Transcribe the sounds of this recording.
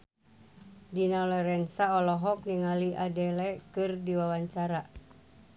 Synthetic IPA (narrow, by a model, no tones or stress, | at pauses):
dinalɛɾɛnsaɔlɔɦɔk̚niŋaliʔadɛlɛkɨrdiwawaɲt͡ʃaɾa